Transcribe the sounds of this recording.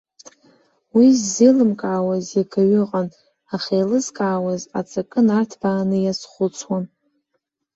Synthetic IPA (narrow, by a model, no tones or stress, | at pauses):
wizːilɨmkʼaʕawazjakʰaɥʏqʼan | aχʲejlɨzkʼaʕːwaza̰t͡sʰʼakʼɨnartʰb̥aːnɨjasχʷʊt͡sʰwan